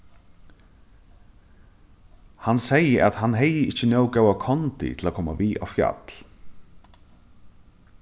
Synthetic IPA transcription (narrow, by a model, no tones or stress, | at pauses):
hansejəʔaðhanɦɛjɪɪht͡ʃːɪnjœːwkawakʰɔnt̪ɪ̰t̪ʰɪlakʰɔːmaviːʔa̰wfja̰t̪l